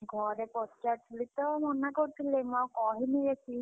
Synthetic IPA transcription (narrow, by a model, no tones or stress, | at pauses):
ɡʱɔɾɛpɔstaʈʰulit̪ɔmɔnakɔɾit̪ʰilemawkɔɦiniɾekʰi